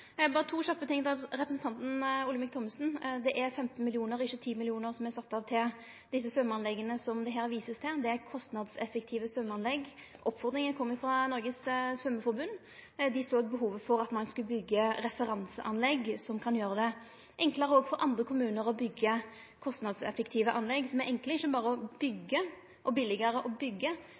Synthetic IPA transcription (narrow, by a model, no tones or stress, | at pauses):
bɑːɾət̪ʰuːɕɑpːət̪ɪŋd̪ɛɾɛpɾəsn̩t̪ɑnt̪n̩ʊləmɪk̚t̪ʰɔməsn̩d̪ɛʔæɾfɛmt̪n̩mɪlɪuːnəɾɪʃːət̪ʰiːmɪlɪuːnəɾsɔmæsɑt̪ːɑʋt̪ʰɪl | d̪ɪsːəsœmːɑnlɛɡːənəsɔmd̪ɛɦæːɾʋiːsəst̪ʰɪd̪ɛækʰɔst̪nɑd̪sɛfək̚t̪ʰiːʋəsœmːəɑnlɛɡʔɔpːfɔɾd̪ɾɪŋənkʰɔmːəɪfɾɑnɔɾɡəssʋœmːəfɔɾbʉnː | d̪ɪsoːɡ̚bəɦuːʋəfɔɾɑt̪mɑnskʉləbʏɡːəɾɛfəɾɑnsəʔɑnlɛɡsɔmkʰɑnjøːɾəd̪ɛ | ʔɛŋkləɾəɔɡfɔɾʔɑnd̪ʁəkʰʊmʉːnəɾɔbʏɡːə | kʰɔst̪nɑd̪sɛ̰fəkt̪ʰiːʋəʔɑnlɛɡsɔmæɾʔɛŋkləɪçːəbɑːɾəɔbʏɡːə | ʔɔbɪlɪɡəɾəʔɔbʏɡːə